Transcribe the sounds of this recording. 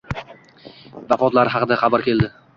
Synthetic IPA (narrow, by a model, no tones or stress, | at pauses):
vafɒt̪laɾɪhɑqɨd̪aχɑbaɾkʲʰe̞ld̪ɪ